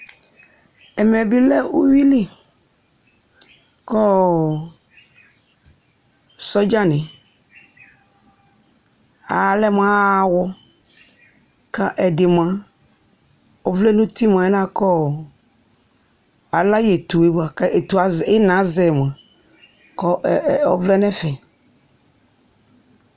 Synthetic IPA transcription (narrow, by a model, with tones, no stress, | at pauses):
ɛ˨mɛ˨bi˦lɛ˦wu˦wi˦le˦ | kɔ˦ | sɔ˦d͡ʒa˦nɪ̃˨ | a˨lɛ˦m˦ã˦wɔ˦ | ka˦ʔɛ˨dɪ˨m˨ã˨ | ɔ˨vlɛ˦nũ˦t̪i˦m˨ã˨ɛ˦nã˦kɔ˦˨ | a˨la˦je˨t̪u˨e˦ba˨ke˨t̪u˨a˨ze˦nã˨˦zɛ˨m˨ã˨ | kɔ˦˨ɔ˦vlɛ˦nɛ̃˦fɛ˨